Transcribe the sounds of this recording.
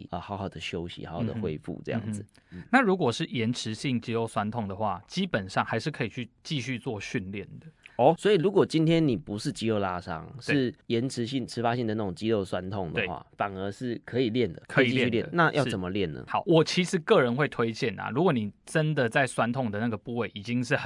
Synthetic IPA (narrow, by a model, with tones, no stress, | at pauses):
ə˨˩xɑ˧˥ʊxɑ˨˩ʊd̪ə˦ɕjo˦ʊɕḭ˧˥hɑ̰˨˧˥hdə̰˩˧xwe˦ɪfṵ˥˨ʈ͡ʂɤ̰˥˧jɑ̰˥˩ŋd͡z̩˨na˥˨ɻu˧˦˥kwɔ˨˩ʂɻ̩˥˩jɛ˧˦nʈ͡ʂʰɻ̩˧˦ɕi˥˩ŋt͡ɕi˥lo˥˧ʊswa˥nt̪ʰɔ˥˩ŋd̪ə˩xwa˥˩t͡ɕi˦˥pə˨˩nʂɑ˥˩ŋxa˧˥ɪʂɻ̩˥˩kʰɤ˧˥i˨˩t͡ɕʰy˥˧t͡ɕi˥˧ɕy˥˧t͡swɔ˥˧ɕy˥˧nljɛ˥˩nd̪ə˩ɔ˥˦swɔ˧˥i˨lu˧˥kwɔ˨˩t͡ɕi˦˥nt̪ʰjɛ˥nni˨˩pu˧˦ʂɻ̩˥˨t͡ɕi˥o˥˧ʊla˦ʂɑ̰˦˥ŋʂeɻ̩˥˩jɛ˨˦nʈ͡ʂʰɻ̩˧˦ɕi˥˩ŋʈ͡ʂʰɻ̩˧˥fa˦ɕi˥ŋd̪ə˩na˥˩o˨˩ŋt͡ɕi˦lo˥˧ʊswa˦˥nt̪ʰɔ˥˩ŋd̪əwe˩xwa̰˥˩fa˨˩nə˧˥ʂɻ̩˥˩kʰɤ˧˦i˨˩ljɛ˥˨nd̪ə˩kʰə˧˥˨i˨˥jljɛ˥˩nna˥˧jɑ̰˥˨ʊ˧t͡sə˨˩mə˦ljɛ˥˩nːə̰˨˩hɑ˨˩˦ʊwɔ˨˩t͡ɕʰi˧˥ʂɻ̩˨˩kɤ˥˨ɻə˧˦nxwe˥˩ɪt̪ʰwe˥ɪt͡ɕjɛ˥˩nɐ̰˨˩ɻu˧˥kwɔ˧˦ni˨˩ʈ͡ʂə˦nd̪ə˨t͡sa˥˩ɪswa˥nt̪ʰɔ˥˩ŋd̪ə˩na˥˩ɡə˩pu˥˧we˥˩ɪʔi˨˩t͡ɕi˦ŋʂ̬ɻ̩˥˩hə˨˩